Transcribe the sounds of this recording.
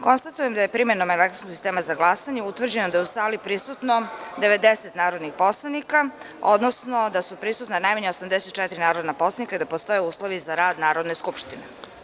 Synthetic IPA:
ko̞nst̪at̪ujemd̪ajepɾimenomelekt̪ɾosnosist̪eːmazaɡlˠasaɲeut̪ʋr̩d͡ʑenod̪ajusaːlipɾisut̪no̞d̪e̞ʋe̞d̪eset̪naːɾod̪nixpo̞slˠanika | o̞̰d̪nosno̞d̪asupɾisut̪nanajmaɲeosamd̪e̞set̪̚t͡ʃɛt̪iɾinaːɾo̞d̪napo̞slanikaid̪apost̪o̞jeuːslˠo̞ʋizaɾaːd̪naːɾo̞d̪neskupʃt̪ine

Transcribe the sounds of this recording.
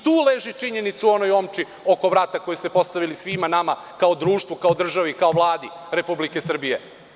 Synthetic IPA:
t̪uːleʒit͡ʂiɲe̞nit̪suo̞nojoːmt͡ʃi | o̞ko̞ʋɾat̪ako̞jest̪e̞po̞st̪aʋilisʋimanama | kaod̪ɾuːʃt̪ʋukao̞d̪r̩ʒaʋikaovlˠaːd̪i | ɾe̞publike̞sr̩bije

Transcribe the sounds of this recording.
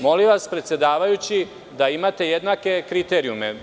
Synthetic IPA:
mo̞liʋaspɾe̞t̪sje̞d̪aːʋajut͡ɕi | d̪aimat̪e̞jed̪nake̞kɾit̪e̞ɾiume

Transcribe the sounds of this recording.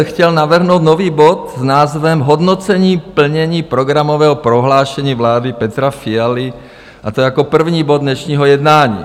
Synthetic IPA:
xcɛlnaʋr̩ɦnoʊd̪nɔʋiːbɔt̪znaːzʋɛmɦɔd̪nɔt͡sɛɲiːpl̩ɲɛɲiːpɾɔɡɾamɔʋɛːɦɔpɾɔɦlaːʃɛɲiːʋlaːd̪ipɛt̪ɾafiali | at̪ɔjakɔpr̩vɲiːbɔd̪ɲɛʃɲiːɦɔjɛd̪naːɲḭː

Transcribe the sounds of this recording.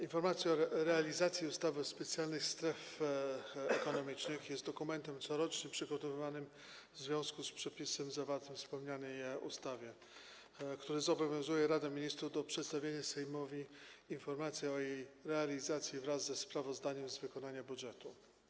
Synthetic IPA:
infɔɾmat̪sʲjɛɔɾɾɛalʲizat̪sʲjiust̪avɛspɛt̪sʲjalnɘxst̪ɾɛf | ɛkɔnɔmʲit͡ʂnɘxjɛst̪d̪ɔkumɛnt̪ɛmt̪sɔɾɔt͡ʂɲɛpʂɘɡɔt̪ɔvɘvanɘm | vzvʲjɔ̃skuspʂɛpʲisɛmzavaɾt̪ɘmfspɛwɲanɛjṵst̪avʲjɛ | kt̪uɾɘzɔbɔvʲjɔ̃w̃zujɛɾad̪amʲiɲist̪ɾud̪ɔpʂɛt̪st̪avʲjeɲasɛjmɔvʲiinfɔɾmat̪sʲjɛɔjejɾɛalʲizat̪sʲjivɾazːɛspɾavɔzd̪aɲɛmzvɘkɔnaɲabudʐɛt̪u

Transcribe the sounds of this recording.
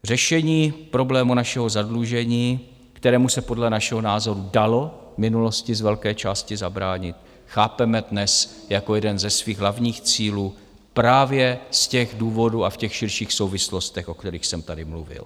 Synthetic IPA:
r̝ɛʃɛɲiːpɾo̞blɛːmunaʃɛɦo̞zadluʒɛɲiː | kt̪ɛɾɛːmusɛpo̞dlɛnaʃɛɦo̞naːzo̞ɾudalo̞mɪnulo̞scɪzvɛlkɛːt͡ʃaːscɪzabɾaːɲɪt̪ | xaːpɛmɛdnɛsjakojɛdɛnzɛsviːɣɦlavɲiːxt͡siːluː | pɾaːvjɛscɛɣduːvo̞duːafcɛxʃɪɾʃiːxso̞wvɪslo̞st̪ɛxʔokt̪ɛɾiːxsɛmt̪adɪmluvɪ̰l

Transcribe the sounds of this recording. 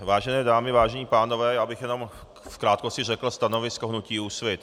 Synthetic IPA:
vaːʒɛnɛːdaːmɪvaːʒɛɲiːpaːnovɛːjaːbɪxjɛno̞m | fkɾaːt̪kosɪrɛkl̩st̪ano̞vɪskoɦnuciːusvɪt̪

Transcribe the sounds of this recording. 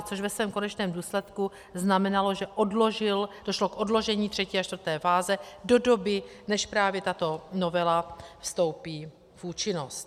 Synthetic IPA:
t͡soʃvɛsvɛːmko̞nɛt͡ʃnɛːmduːslɛt̪ku | znamɛnalo̞ʒɛʔodloʒɪld̥oʃlo̞kʔo̞dlo̞ʒɛɲiːt̪r̥ɛciːaʃt̪vr̩t̪ɛːfaːzɛdo̞do̞bɪ | nɛʃpɾaːvjɛt̪at̪o̞no̞vɛlafst̪o̞wpiː | vuːt͡ʃɪno̞st̪

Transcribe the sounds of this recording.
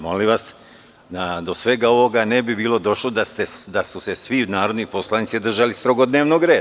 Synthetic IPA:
mo̞̰liʋas | d̪ad̪o̞sʋe̞ɡao̞ʋo̞ɡanebibiːlo̞d̪o̞ʃlod̪ast̪ed̪asuse̞sʋinaːɾo̞d̪nipo̞slanit̪sid̪r̩ʒalist̪ɾoɡo̞d̪neːʋnoɡɾe̞ːd̪a

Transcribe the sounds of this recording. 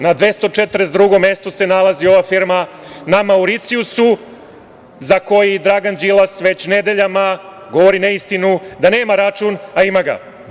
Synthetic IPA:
nad̪ʋe̞st̪o̞t͡ʃet̪ɾesd̪ɾuɡo̞mje̞st̪ose̞nalˠazio̞ʋafiɾma | namauɾit̪siusu | zako̞jid̪ɾaɡand͡ʒilˠasʋe̞t͡ɕne̞d̪e̞ʎama | ɡo̞ʋoɾineist̪inud̪ane̞ːmaɾat͡ʃunaimaɡa̰

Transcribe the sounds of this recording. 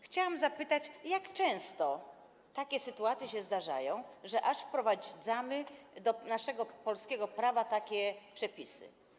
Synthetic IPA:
xt͡ɕawamzapɘt̪at͡ɕjakt͡ʂɛ̃w̃st̪ɔ | t̪akʲɛsɘt̪uat̪sʲjɛɕɛzd̪aʐa̰jɔ̃w̃ʐɛʔaʂfpɾɔvad̪zamɘd̪ɔnaʂɛɡɔpɔlskʲɛɡɔpɾavat̪akʲɛpʂɛpʲisɘ̰

